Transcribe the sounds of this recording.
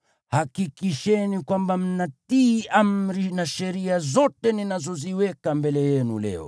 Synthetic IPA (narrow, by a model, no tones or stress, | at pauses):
hakikiʃɛnikwambam̩natiːam̩ɾinaʃɛɾiazɔtɛninazɔziwɛkambɛlɛjɛnṵlɛ̰ɔ̰